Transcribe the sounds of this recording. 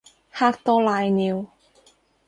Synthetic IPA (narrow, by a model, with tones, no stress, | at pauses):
haː˥k̚t̪ɔː˥laː˧jniː˨˧w